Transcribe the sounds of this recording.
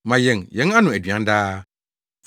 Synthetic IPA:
mã˨jɛ˨ŋjɛ̃˨˦ŋa˦nʊ̃˨æ˨dɥã˨˦daː˦

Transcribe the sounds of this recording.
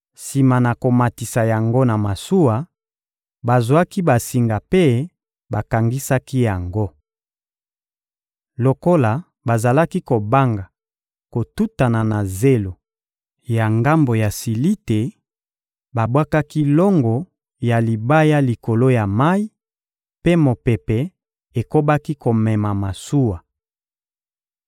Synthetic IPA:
si˨ma˨na˨ko˨ma˨ti˨sa˨ja˨ŋɡo˦na˨ma˨su˦wa˨ | ba˨zwa˦ki˦ba˨si˨ŋɡa˨pe˦ | ba˨ka˨ŋɡi˦sa˦ki˦ja˨ŋɡo˦ | lo˨ko˦la˨ | ba˨za˨la˦ki˦ko˨ba˦ŋɡa˨ | ko˨tu˦ta˨na˨na˨ze˦lo˨ | ja˨ŋɡa˦mbo˨ja˨si˨li˦te˨ | ba˨bwa˦ka˦ki˦lɔ˦ŋɡɔ˨ | ja˨li˨ba˦ja˦li˨ko˨lo˦ja˨ma˦i˦ | pe˦mo˨pɛ˨pɛ˨ | e˨ko˦ba˦ki˦ko˨mɛ˨ma˨ma˨su˦wa˨

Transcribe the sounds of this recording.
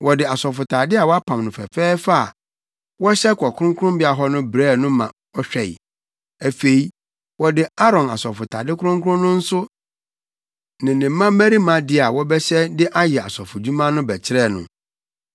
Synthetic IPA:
wɔ˨dɪ˨a˨sɔ˨fʊ˨tʰaː˨dɪ˦a˨wɔ˦a˦pʰã˨mnʊ̃˨fɛ̰˨fɛː˦fa˦a˨ | wɔ˦ɕɛ˦kʰɔ˨kʰʊ˦ʊ̃˦ŋkʰʊ˦ɾʊ̃˦mbɪ˦a˨ɦɔ˦nʊ̃˦bɾɛː˦˨nʊ̃˦mã̰˨ | ɔ˦ɕᶣɛ˨ḭ˨ | æ˨fe˨i˦ | wɔ˨dɪ˨a˦ɾɔ̃˨na̰˨sɔ˨fʊ˨tʰa̰˨dɪ˦kʰʊ˦ɾʊ̃˦ŋkʰʊ˦ɾʊ̃˦nʊ̃˦n̩˦sʊ˦ | nɪ̃˨nɪ̃˨m˦mã˦mæ̃˦ɾi˦mã˨dɪ˦a˨wɔ˦bɛ˦ɕɛ˦dɪ˦ʔa˦jɛ˨a̰˨sɔ˨fʊ˨d͡ʑu˦mã˦nʊ̃˦bɛ˨t͡ɕʰɪ˦ɾɛ˦˨nʊ̰̃˨

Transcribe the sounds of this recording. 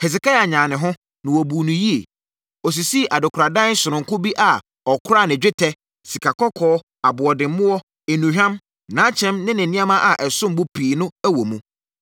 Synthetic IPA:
hɛ˨s̬ɛ˨ka˦ja˨ɲãː˨nɪ̃˨ɦʊ̃˦ | nɪ̃˨wɔ˨buː˨nũ˨ji˦e˨ | ɔ˨s̬i˨si˦˨ʔa˨dʊ˨kʰɾa˨dã˦n˦sʊ˨ɾʊ̃˨ŋ˨kʊ˦bi˦ʔa˨ | ɔ˨kʰʊ˦ɾa˦˨nɪ̃˨d͡ʑᶣɪ˦tʰɛ˦ | si˨kʰa˨kʰɔ˦kʰɔː˦ | a˨bʊ˨ɔ˨dɪ̃˨m˦mʊ̃˦wɔ˦ | e˨nũ˨hᶣã˦m | nãː˨˦t͡ɕʰɛ̃˦mnɪ̃˦nɪ̃˨nɪ̃˦a˦mã˦ʔa˨ʔɛ˨sʊ̃˦m˦bʊ˦pʰiː˨nʊ̃˦æ˦wo˨mũ˦

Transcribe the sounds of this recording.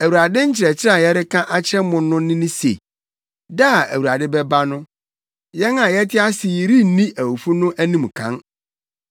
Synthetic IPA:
æ˨wu˨ɾa˨dɪ˦ɲ̩˦t͡ɕʰɪ˨ɾɛ˨t͡ɕʰɪ˦ɾa˨jɛ˦ɾɪ˦kʰã˦ʔa˦t͡ɕʰɛ˦mʊ̃ː˦˨˦ʊ̃˦nɪ̃˦nʊ̃˦sḛ˨ | da˦˨æ˨wu˨a˨dɪ˦bɛ˦ba˦nʊ̃˦ | jɛ˦nã˨jɛ˦tʰɪ˦a˦sɪ˨ji˨ɾi˦nĩ˦ʔæ˨wu˨fu˦nʊ̃˦ʔæ˦nĩ˦˨m˨kʰã̰˦n

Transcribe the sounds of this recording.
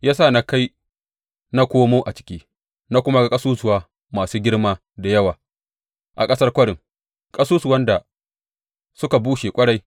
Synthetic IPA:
jaː˦sa˦˨na˦ka˦j | na˦kʷoː˦moː˦ʔa˨t͡ʃɪ̥˦kʲiː˦ | na˦kʷʊ˦ma˦ɡa˨kʼɐ˦suː˦sʊ˨waː˦ | maː˨suː˦ɡʲɪ˦ɽmaː˦ | da˨jɐ˦waː˨ | ʔa̰˨kʼɐ˦sɐ˦rkʷɐ˦ɽɪ˨ŋ | kʼɐ˦suː˦sʊ˨wɐ˦nda˨ | sʊ˦ka˨buː˦ʃeː˨kʷʼɐ˦ɽa˦j

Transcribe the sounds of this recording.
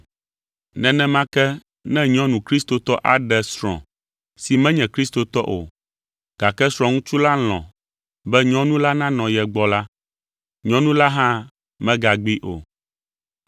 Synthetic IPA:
nɛ̃˨nɛ̃˦mã˦kɛ˦ | nɛ̃˦ɲɔ̃˦nũ˨kɾi˦st̪o˨t̪ɔ˦ʔa˨ɖɛ˨sɾɔ̰̃˨ | si˨mɛ̃˦ɲɛ̃˨kɾi˦st̪o˨t̪ɔ˦ʔo˨ | ɡ̥a˨kɛ˦sɾ̃ɔ̃˨ŋũ˦t͡ʃu˦la˦l̃ɔ̰̃˨ | bɛ˦ɲɔ̃˦nũ˦la˦nã˦nɔ̃˨jɛ˨ɡ͡bɔ˦la˦ | ɲɔ̃˦nũ˦la˦ɦã˦ | mɛ̃˦ɡa˨ɡ͡bi˦ʔo̰˨

